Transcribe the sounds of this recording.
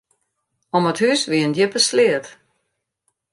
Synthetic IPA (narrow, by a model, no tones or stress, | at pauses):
ɔməthyːsʋiəndjəpəslɪət